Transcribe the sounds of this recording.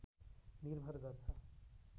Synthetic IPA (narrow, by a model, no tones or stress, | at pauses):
nirbʱʌrɡʌrt͡sʰʌ